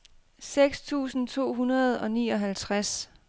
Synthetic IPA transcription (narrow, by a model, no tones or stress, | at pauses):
seɡ̥st͡sʰṵːsn̩t͡sʰo̝̰ːɦunɐð̞̩ˠɒ̽nḭːɒ̽ɦælt͡sʰʁas